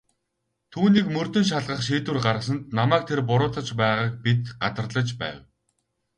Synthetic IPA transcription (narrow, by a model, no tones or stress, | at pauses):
t̪ʰuːniːkmɵr̥t̪ɵ̆nʃ̬aɮʁə̆χʃiːt̪wɘ̆rɢaɾə̆s̬ə̆nt̪namæːk̚t̪ʰerpʊɾʊːt̪ə̆t͡ɕpæːʁaːk̚pit̪ɢat̪ə̆rɮə̆t͡ɕpæ̰ːw